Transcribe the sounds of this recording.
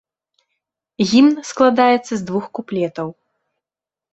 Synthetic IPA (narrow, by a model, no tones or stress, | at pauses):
ɣʲimnsklˠad̪ajɛt̪sːɐzd̪vuxkuplʲɛt̪ɐw